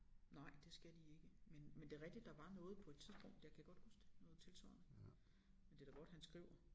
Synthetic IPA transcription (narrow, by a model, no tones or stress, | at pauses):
nɑ̈ɪ̰d̥e̝sɡ̥æd̥ie̝ɡ̥əmenmend̥e̝ʁɛɡ̥̚d̥id̥ːɑ̈ʋɑ̈nɔ̽ːð̩ˠpʰɒ̽e̝d̥̚t͡sʰiðˠsb̥ɔ̽ŋ̰d̥jɑ̈ɪkʰæɡ̥ɒ̽d̥husd̥e̝nɔ̽ːð̩ˠt͡sʰe̝lsʋɑ̰nə | mend̥e̝d̥æɡ̥ɒ̽d̥hænsɡ̥ʁiʊ̰ɐ